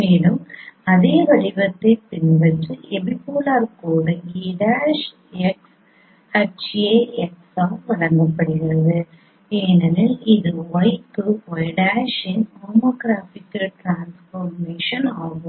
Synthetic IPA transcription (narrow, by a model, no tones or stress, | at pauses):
meːɽɯmɐðeːʋɐɻɪʋɐt̪ːɐɪpɪnbɐʈːɯɛbipoːlaːɾkuːɽɐɡiːɽaːʂ | ɛks | ɐt͡ʃeːɛksaːʋɐɭɐŋɡɐpːɐɽɯɣɪrɐðɯ | eːnɐnɐlɪðɯɔɪkːɯʋɔjɽaːʂɪnoːmɐːɡɾaːfɪkːɐlʈɾaːnsfoɾmeːʂɐnaːɣʊm